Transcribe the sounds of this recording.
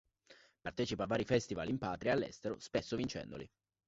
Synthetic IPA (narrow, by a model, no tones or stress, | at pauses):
part̪ɛːt͡ʃipoavːaːɾifɛst̪ivalimpaːt̪ɾiaːlːɛ̰st̪eɾo̰spɛsːovint͡ʃɛ̰nd̪o̰lḭ